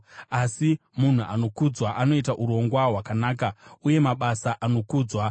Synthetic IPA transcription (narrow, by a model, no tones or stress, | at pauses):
asimun̤uʔano̞kud͡zwaʔano̞itaʔuɾo̞ŋɡwaɦwakanaːkauje̞maɓasaʔano̞kuːd͡zwa